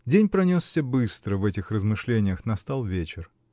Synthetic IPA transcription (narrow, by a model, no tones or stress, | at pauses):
dʲenʲpɾɐnʲossʲəbɨst̪ɾəvɛtʲɪxrəzmɨʂlʲenʲɪjəxnɐst̪alˠvʲet͡ɕɪr